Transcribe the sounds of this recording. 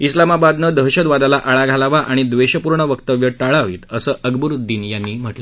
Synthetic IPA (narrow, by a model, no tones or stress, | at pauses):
islamabad̪nəd̪əɦɕəd̪ʋad̪alaʔaɭaɡʱalaʋaʔaɽ̃id̪ʋeɕəpuɾɳəʋəkt̪əʋjəʈaɭaʋḭːt̪əsəːʔəɡbuɾd̪iːnjanːiːm̤əʈle